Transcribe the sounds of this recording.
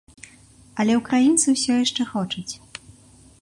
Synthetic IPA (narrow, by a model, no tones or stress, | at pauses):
ɐlʲɛwkɾajint̪sɨwsʲɔjaʂt͡ʂɛxɔt͡ʂɐt͡sʲ